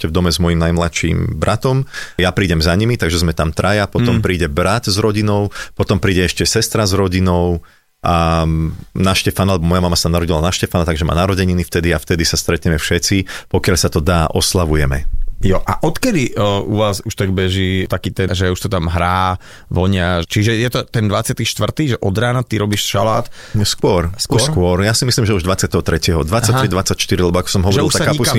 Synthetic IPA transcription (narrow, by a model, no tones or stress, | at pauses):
ɛʃcɛvd̪ɔmɛzmɔjimnajmlatʃḭmbɾʔat̪ɔmjapɾiːɟɛmzaɲimit̪aɡʒɛzmɛt̪amt̪ɾajapɔt̪ɔmpɾiːɟɛbɾat̪zɾɔɟinɔʊpɔt̪ɔmpɾiːɟɛɛʃcɛsɛst̪ɾazɾɔɟinɔʊ | ʔa | naʃcɛfanalɛbɔmɔjamamasaamnaɾɔɟilanaʃcɛfanat̪aɡʒɛma̰ːnaɾɔɟɛɲinift̪ɛd̪iaft̪ɛd̪isast̪ɾɛt̪ɲɛmɛfʃɛt͡sipɔkɪaʎsat̪ɔd̪aːʔɔslaʋujɛmɛ̰jɔʔa̰ʔɔt̪kɛd̪iʔuʋaːzuʃt̪aɡ̚bɛʒiːt̪akiːt̪ɛʒɛuʃt̪ɔt̪amɦɾaː | ʋɔɲat͡ʃiʒɛjɛt̪ɔt̪ɛnd̪ʋat͡sɪat̪iʃt̪ʋr̩t̪iːʒɛʔɔd̪ɾaːnat̪iɾɔbiːʃʃalaːt̪ | skʊɔɾskɔɔskʊɔɾjaːsimislimʒɛuʒd̪ʋat͡sɪat̪ɛɦɔt̪ɾɛcɪɛɦɔd̪ʋat͡sːaɾid̪ʋat͡sːacʃt̪iɾilɛbɔakɔ̥sɔmɦɔʒɔʒɛiluʃasakaɲipuka